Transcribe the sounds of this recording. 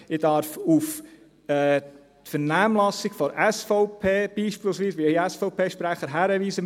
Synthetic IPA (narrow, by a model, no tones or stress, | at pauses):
ɪd̥ɑɾfuf | ɛː | t̪fəɾnæːmlɑsɪɡfɔɾɛsfɔʊpʰeːb̥iːʃpiːlˠsʋiːsʋiɛjæsfɔʊpʰeːʃpɾæχəɾɦæːɾəʋiːsə